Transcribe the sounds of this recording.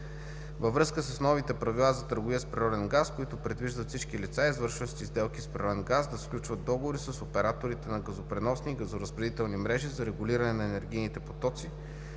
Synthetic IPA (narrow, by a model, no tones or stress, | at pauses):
vəvɾɤskəsəsnɔvit̪ɛpɾɐvilˠazɐt̪əɾɡoviəspɾiɾɔd̪ɛnɡaskoit̪ʊpɾɛd̪viʒd̪ət̪sit͡ʃkilit̪saizvɤɾʃvəʃt̪ʲizd̪ɛlˠkispɾʲiɾɔd̪ɛnɡazd̪ɐsklʲut͡ʃvət̪̚d̪ɔɡovoɾisəsopɛɾat̪oɾit̪ɛnɐɡɐzopɾɛnɔsniːɡɐzoɾəzbɾɛd̪it̪ɛlˠnimɾɛʒizɐɾɛɡʊliɾɐnɛnɐɛnɛɾɡʲijnit̪ɛpo̥t̪ɔt̪si